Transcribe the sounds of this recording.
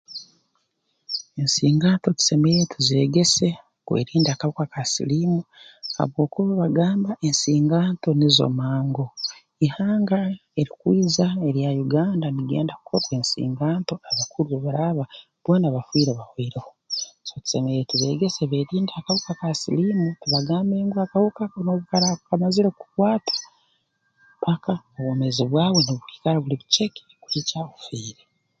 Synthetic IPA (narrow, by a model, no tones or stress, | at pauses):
e̞nsiːŋɡaːnto̞ci̥se̞mejetuze̞ːɡese̞ | kwḛɾiːndakaβukakasḭlimuha̰βwo̞ːkuβaβaɡaːmbaʔe̞nsiːŋɡaːnto̞nizo̰maːŋɡo̞ | ihaːŋɡae̞ɾikwiːzae̞ɾjajuɡaːndaniɡe̞̰ːndaku̥kʰoɾweːnsḭːŋɡaːnto̞aβakuɾueβaɾaβa | β̥wo̞ːnaβafwiːɾeβahwiːɾehosoci̥semeɾetuβe̞ːɡe̞seβeːɾiːndiakahukakasilimutiβaɡaːmbeːŋɡoakahukaknoβukaɾaβukamaziɾekukwaːtḁ | pakaoβwoːmeziβwaːβwo̞niβuki̥kaɾaβuliβut͡ʃeki̥kuɾicaufwiːɾe